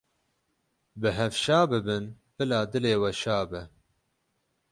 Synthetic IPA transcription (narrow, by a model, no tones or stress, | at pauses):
bɨɦɛvʃaːbɨbɨn | b̥ɨlaːd̪ɨleːwɛʃaːbɨ